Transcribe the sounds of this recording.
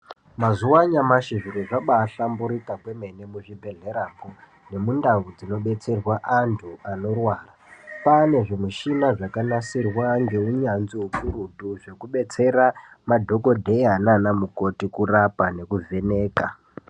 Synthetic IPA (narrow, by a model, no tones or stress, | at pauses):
mazuwaɲamaʃiʐiɾiʐaɓaːɬambuɾitakwe̞me̞ne̞muʐibʱe̞ɮe̞ɾaɡo | ne̞mundawud͡zino̞ɓe̞t͡se̞rwaʔantʰuano̞rwaːrapane̞ʐimuʃinaʐakanasirwaŋɡeuɲanziɦupuɾutuʐe̞kuɓe̞t͡se̞ɾa | madʱo̞ko̞dʱe̞jananamuko̞tikurapane̞kuvʱe̞ne̞ːka